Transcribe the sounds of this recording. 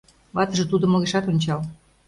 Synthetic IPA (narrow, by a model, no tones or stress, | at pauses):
βɑt̪ə̆ʒĕt̪ud̪ŏmoɣeʃɑt̪onʲt͡ɕɑl